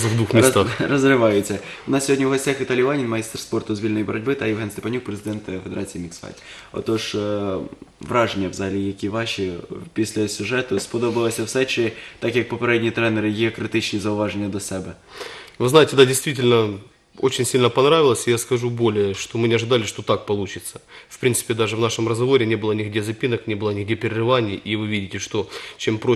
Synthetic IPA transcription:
zvd̪ʋuxmʲɪst̪arɐzrɪʋɑjʊt͡sʲːɐʊnɑssʲɦodʲnʲiwɦɔsʲtʲaxʋʲit̪alʲijʋanʲinmɐjist̪rspɔrt̪ʊzʋʲilʲnɔjibɔɾɔdʲbɪt̪ɐjɪwɦɛnst̪epɐnʲuk̚pɾezɨd̪ɛnt̪fed̪eɾat͡sʲijimʲiksfɑ̰tʲ | ɔ̰t̪ɔʂ | ʋɾɑʐenʲːɐʋzɑlʲɪjɐkʲiʋɑʃipʲisʲlʲɐsʲʊʐɛt̪ʊspɔd̪obɨlˠɐsʲɐwsɛt͡ʃɪt̪akjɐk̚pɐpɐɾʲedʲnʲijːt̪ɾɛnəɾɨɡʲɪɐkɾɪt̪ɪt͡ɕnʲiːzɐʊvaʐənʲɪjəd̪ʲɐsʲɛbɛvɨznajɪtʲɪd̪adʲɪjst̪vʲitʲɪlʲnə | o̰t͡ɕɪnʲsʲilʲnəpɐnɾavʲɪlˠəsʲɪjaskɐʐubo̞lʲɪjəʂt̪o̞mɨnʲɪɐʐɨd̪alʲɪʂt̪o̞t̪ak̚pɐlˠut͡ɕɪt̪sə̥fpɾʲint̪sɨ̥pʲɪd̪aʐɨvnaʂɨmrəzɡɐvo̞ɾʲɪnʲe̞bɨlˠənʲɪɡdʲe̞zɐpʲinəknʲebɨlˠənʲɪɡdʲepʲɪɾʲɪrɨvanʲɪjʔivɨvʲidʲɪtʲɪʂt̪o̞t͡ɕempɾo

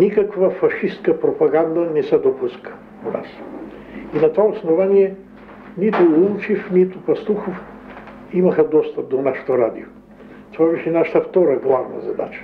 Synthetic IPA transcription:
nikɐkvəfɐʃiskəpɾopɐɡand̪ɐnɛsɛd̪opuskə̥ | ona̰s | inɐt̪ovaosnovaniɛ | nit̪ʊlˠumt͡ʃifnit̪ʊpɐst̪uxof | imɐxɐd̪ɔst̪ɐp̚d̪onaʃe̥t̪oɾad̪ḭo | t̪ovabɛʃɛnaʃə̥t̪əft̪ɔɾɐɡlˠavnɐ̰zɐd̪a̰t͡ʃə̥

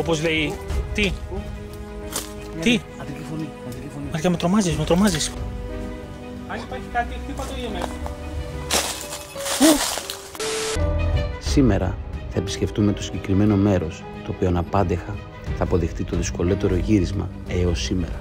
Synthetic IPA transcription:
o̞po̞zle̞it̪i | i | mɐʝɐmet̪ɾo̞mɐzismet̪ɾo̞mɐzis | ɐnipɐɾçikɐt̪it̪ipɐt̪oʝeme | u | sime̞ɾɐ̰θɐepi̥sce̞ft̪umet̪osiɲɟe̞kɾime̞no̞me̞ɾo̞s | t̪o̞ːpioɐnɐpɐnd̪exɐ | θɐːpo̞ðixt̪it̪o̞ðisko̞lo̞t̪e̞ɾo̞ʝiɾizmɐ̰ | eo̞sime̞̰ɾɐ

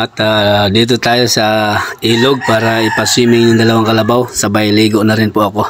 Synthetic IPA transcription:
ʔɐt̪ad̪iːt̪̬ot̪aːjo̞sɐʔiːloɡ̚paːɾaʔɪpɐswiːmɪŋjʊŋd̪ɐlɐwaŋkɐlɐbawsɐbajliːɡoʔnɐɾɪnpʊʔɐko̞

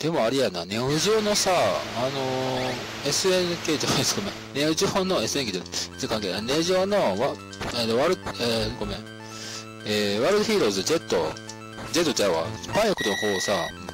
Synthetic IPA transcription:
d̪̥e̞mo̞aɾejananeʑoːno̞saːno | e̞sɨenɯke̞ːd͡ʑanaĩsɨ̥ɡomẽneɯʑionoe̞sɨe̞nkee̥t͡sɨkãŋkeaneʑoːnoβa | et̪oβaɾɯeɡo̞mẽ | eːβaɾɯd̪oçʲiːɾo̞ːzɨd͡ʑe̞t̪ːo̰ | d͡ʑe̞t̪ːo̞d͡ʑaβa̰paĩakot̪onkoːsa

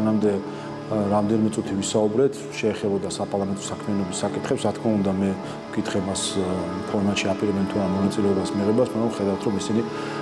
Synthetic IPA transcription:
namd̪ɛ | ɾamd̪ɛnimɛt̪sʼut̪ʰivisaubɾɛt̪ʰʃɛːχɛbɔd̪asapʼaɾlˠamɛnt̪ʼɔsakʰmɛanɔbisːakʼit̪ʰχɛpsɾat̪̚ʰkʰmaund̪amɛ | kʼit̪ʰχɛmaspʰɔɾmat̪ʃiapʼiɾɛbɛnt̪ʰuaɾmɔnat̪sʼilɛɔbasmiʁɛbasmaɡɾamχɛd̪avft̪ʰɾɔmisini

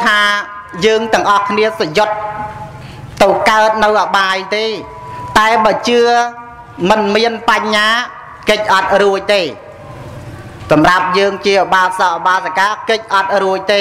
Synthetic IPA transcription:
t̪ʰaː | jəːŋt̪ɛ̆əŋʔɑhkʰniəsajot̪̚ | ɨwkaət̪̚nɨwʔaɓaːjt̪eː | t̪aɛɓaːt͡ɕɨə | mɨnmiənpaɲːaː | kəc̚ʔɑt̪̚ruəc̚t̪eː | sɑmrap̚jəːŋt͡ɕiəɓaːlsɑːʔɓaːlsakaːkɨc̚ʔɑt̪̚ruəc̚t̪eː

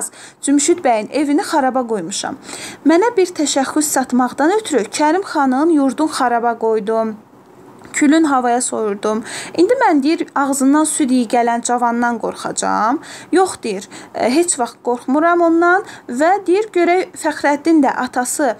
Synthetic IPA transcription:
z̥ | d͡ʒymʃyd̪bæjine̞vinixɑɾɑbɑɡo̞jmuʃɑ̰mːænæbiɾt̪ʰæʃæxːyssɑt̪mɑʁd̪ɑnøt̪ʰyɾycʰæɾimχɑnɯnjuɾd̪unχɑɾɑbɑɡo̞jd̪um | cʰylynɦɑvɑjɑso̞juɾd̪umind̪imænd̪ijiɾɑʁzɯnːɑnsyd̪ijiɟælænd͡ʒɑvɑnːɑnɡo̞̰ɾχɑ̰d͡ʒɑ̰mjo̞χd̪ijiɾɦe̞t͡ʃʰvɑχt̪̚ɡ̥o̞ɾχmuɾɑmo̞nːɑnvæd̪ijiɾɟø̞ɾæfæxɾæd̪ind̪æʔɑt̪ʰɑsɯ

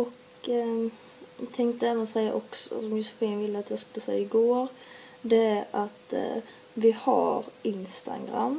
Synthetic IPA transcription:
ɔk | t̪ʰɛŋkt̪əɛvənɔsɛjːaʔɔksɔ̰sɔmjʊsɔfiːnvɪlːəat̪jɑskɵlːəsɛjːaɪɡoːɾ | d̪ɛæɾat̪ | vɪha̰ɾɪnst̪a̰ɡɾa̰mː

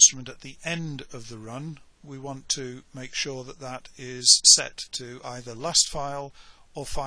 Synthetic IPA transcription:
stɹ̥əmə̃ntɨt̪̚ðiʔɛ̃ndʌvðəɹʌ̃n | wiwɑ̃ntʰɨmeɪkʃʊɹðət̪̚ðəɾɪz̥sɛ̰tʰɨa̰ɪðə˞lastfaɪlˠ | əfa

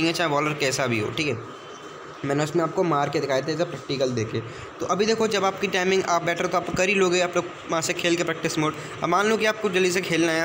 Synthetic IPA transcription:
ĩŋɛt͡ʃaːɦeʋɔːləɾkɛːsabʱiɦo̰ːʈʰiːkɛ | mɛ̃ːneʊsmẽaːp̚komaːɾked̪ɪkʰaːjet̪ʰeːsapɾɛːk̚ʈikəld̪eːkʰeː | t̪oʔɐbʱid̪eːkʰod͡ʒɐbaːp̚kiʈaːɪmɪ̃ŋɡaːp̚bɛːʈʰɾet̪oaːpkɐɾiloːɡeiaːploːɡ | ʋɐɦãsekʰeːlkepɾɛːk̚ʈɪsmoːʈ | ɐmaːnloːkiaːp̚kʊd͡ʒɐlis̬ekʰeːlnaːa

